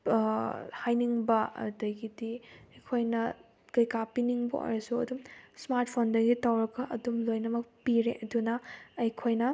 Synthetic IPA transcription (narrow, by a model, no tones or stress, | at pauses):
hajniŋbɐɐ̰dɐjɡidiɐjkʰojnɐ | kɐjkapiniŋbo̰ʔo̰ɾɐsuɐ̰dumsmaɾt̚pʰondɐɡitawɾɐkɐʔɐdumlojnɐmɐk̚piɾeʔɐdunɐːjkʰojnɐ